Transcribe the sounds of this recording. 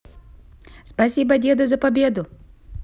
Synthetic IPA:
spɐsʲibɐdʲed̪ʊzɐpɐbʲed̪ʊ

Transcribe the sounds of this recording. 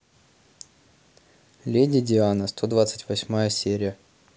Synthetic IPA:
lʲedʲɪdʲɪanəst̪ʰo̞d̪vat̪sɨ̥tʲvɐsʲmajəsʲeɾʲɪjə

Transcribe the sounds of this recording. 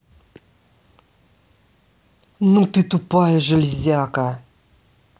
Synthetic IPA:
nut̪ɨt̪upajʒəlizʲaka

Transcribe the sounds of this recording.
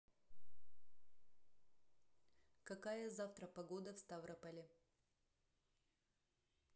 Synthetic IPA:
kɐkajəzaft̪ɾəpɐɡo̞d̪əfst̪avɾəpəlʲɪ

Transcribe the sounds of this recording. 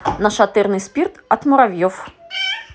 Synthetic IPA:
nɐʃɐt̪ɪrnɪspʲirt̪ɐt̪mʊɾɐʋʲjɔw

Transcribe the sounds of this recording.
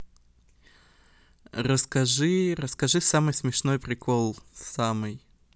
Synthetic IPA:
rəskɐʐɨrəskɐʐɨsamɨjsmʲɪʂno̞jpɾʲɪkolˠsamɨj

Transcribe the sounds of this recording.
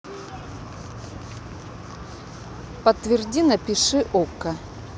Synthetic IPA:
pɐt̪ːvʲɪrdʲinɐpʲɪʂɨʔokːɐ

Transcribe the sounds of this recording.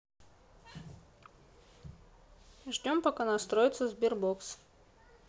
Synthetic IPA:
ʐdʲompɐkanɐst̪ɾojɪt̪səzbʲirboks

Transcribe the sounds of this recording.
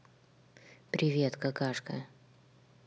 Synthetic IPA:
pɾʲɪvʲet̪kɐkaʂkə̰

